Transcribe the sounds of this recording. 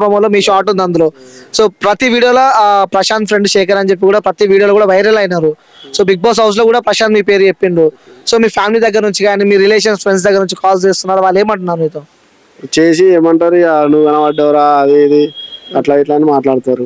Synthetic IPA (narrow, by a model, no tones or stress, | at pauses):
pɾɐmɐːlomiːʃaːʈ̬und̪ɐnd̪uloːso̞ːpɾɐt̪iʋiːɽijoːlɐpɾɐʃaːnpʰɾeɳɖʃeːk̬ɐɾɐɲt͡ʃe̞p̬ːikuːɽaːpɾɐt̪iʋiːɽijolɐkuːɽaːʋɐjɾɐlɐjnaːɾu | so̞ːbiɡ̚baːs̬ɦɐws̬lo̞ːkuːɽaːpɾɐʃaːnd̪miːpe̞ːɾt͡ʃepːind̪uso̞ːmiːpʰjaːmilid̪ɐɡːɐɾɐnuɲt͡ʃikaːniːmiːɾileːʃ̬ɐnspʰɾeɳɖs̬d̪ɐɡːɐɾɐnuɲt͡ʃikaːlst͡ʃeːst̪unːaːɾuʋaːɭːe̞ːmɐɳʈunːaːɾumiːt̪oː | t͡ʃeːs̬ieːmɐɳʈaːɾianuʋɡɐnɐʋɐɖːɛʋɾaːɐd̪iid̪iɐʈlaːiʈlaːnimaːʈlaːɽt̪aːɾu